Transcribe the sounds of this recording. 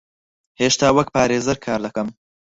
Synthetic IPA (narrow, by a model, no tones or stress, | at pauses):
heːʃt̪aːwɐk̚paːɾeːzɐɾkʰaːɾlɐkɐm